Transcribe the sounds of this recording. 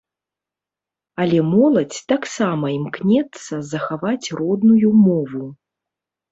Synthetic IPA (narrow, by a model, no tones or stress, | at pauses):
ɐlʲɛmɔlˠɐt͡sʲt̪aksamɐimknʲɛt̪sːɐzɐxavat͡sʲrɔd̪nujumɔvu